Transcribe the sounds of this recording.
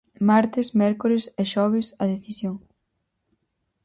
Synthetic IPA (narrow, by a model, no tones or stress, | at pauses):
maɾt̪ɪsmɛɾkoɾeseʃɔβ̞ɪsɐðeθisjoŋ